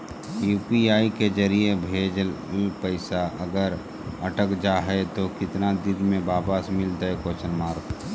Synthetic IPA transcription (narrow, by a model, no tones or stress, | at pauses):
juːpiaːikezəɾiebʱeːd͡ʒlpəɪsaʔəɡəɾ | ɐʈəkd͡ʒaːɦɛt̪okɪt̪nad̪ɪd̪mẽbaːbaːsmɪlt̪əɦekoːt͡ʃənmaːɾk